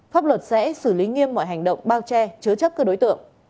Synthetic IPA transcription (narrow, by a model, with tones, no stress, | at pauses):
faː˦˥p̚lwə˨˩t̚sɛ̰˧˥sɨ˧˩li˨˦ŋi˧əmːɔ̰˧˨jɦa˨˩jŋ̟ɗə̰˧˨wŋ͡mɓaː˧wt͡ɕɛ˧t͡ɕɨ˨˦t͡ɕə˦˥p̚kəː˧ɗo˨˦jt̪ɨ̰˧˨əŋ